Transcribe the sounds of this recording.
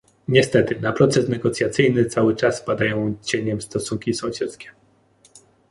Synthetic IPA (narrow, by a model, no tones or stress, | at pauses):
ɲɛst̪ɛt̪ɘnapɾɔt̪sɛsnɛɡɔt̪sʲjat̪sɘjnɘt̪sawɘt͡ʂaspad̪ajɔ̃w̃t͡ɕeɲɛmst̪ɔsuŋkʲisɔ̃w̃ɕɛt̪skʲɛ̥